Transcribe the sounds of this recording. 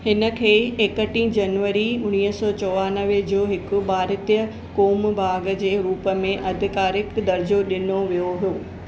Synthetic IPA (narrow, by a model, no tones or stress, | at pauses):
hɪnə̆kʰeːekəʈĩd͡ʑɐnʋəɾiʊɽ̃iːəsɔːt͡ɕɔːʋaːnəʋed͡ʑoːɦɪkʊ̆baːɾɪt̪ijə | koːmbʱaːɡd͡ʑeːɾuːpə̆mẽʔɐd̪ʱɪkaːɾɪkd̪ɐɾd͡ʑoɗɪnoʋijoɦijoː